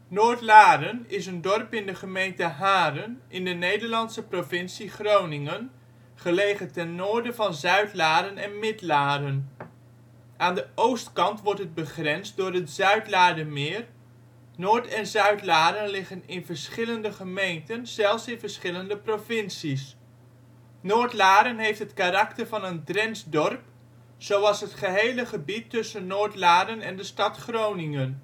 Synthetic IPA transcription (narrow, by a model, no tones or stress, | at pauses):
nʊːɹtlaːɾənɪs̬əndɔrpɪndəχəmejntəɦaːɾənʔɪndənejdəɹlɑnsəprovɪnsiχrownɪŋən | χəlejχətɛnːʊːɹdəvɑnzœɥtlaːɾənɛnmɪtlaːdən | ʔaːndəʔowstkɑntʋɔɹtɦəd̚bəχrɛnsdʊːrɦətz̥œɥtlaːdəmɪːr | nʊːɹtɛnzœɥtlaːdənlɪχənɪnvəɹsχɪləndəχəmejntənz̥ɛlˠfsɪnvəɹsχɪləndəprovɪnsis | noːɹtlaːɾənɦejftɦətkarɑktəɹvɑnəndrɛnsdɔrp | z̥owɑlˠsɦətχəɦejləχəbitːɵsənːʊːɹtlaːdənɛndəstɑtχrownɪŋən